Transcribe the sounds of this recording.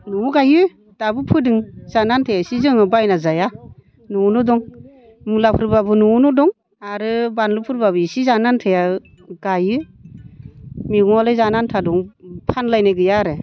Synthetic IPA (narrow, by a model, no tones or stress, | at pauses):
nuɡajɯ | d̥abɯpʰɯdɯŋzanantʰajasizɯŋɯbajnazaja | nunɔdɔŋ | mulapʰɯɾbabɯnunɔdɔŋ | aɾɯbanlɯpʰɯɾbabɯisizanantʰaja | ɡ̥ajɯ | miɡɔŋɔlajzanantʰadɔŋpʰanlajneɡɯjaɾɯ